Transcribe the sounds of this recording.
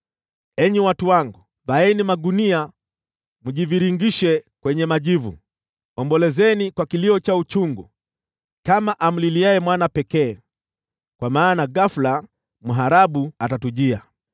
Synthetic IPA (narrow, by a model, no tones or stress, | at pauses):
ɛɲiwatuwaŋɡu | vaɛnimaɡunia | muʄiviɾiŋɡiʃɛkwɛɲɛmaʄivṵ | ɔmbɔlɛzɛnikwakiliɔt͡ʃaut͡ʃuŋɡu | kamaʔam̩liliaɛmwanapɛkɛː | kwamaːnaɡafla | muɦaɾaɓuatatuʄia̰